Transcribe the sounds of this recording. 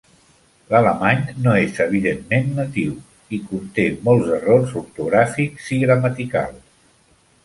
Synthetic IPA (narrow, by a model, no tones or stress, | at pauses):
lələmaɲnoezəβ̞iðemːenːət̪iw | ikunt̪emɔlˠzərorzuɾt̪uɣɾafikziɣɾəmət̪ika̰lˠ